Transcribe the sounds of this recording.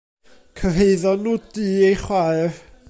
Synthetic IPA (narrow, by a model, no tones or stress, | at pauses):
kʰəɦeɨðɔnːuːd̥iːejχwaɨr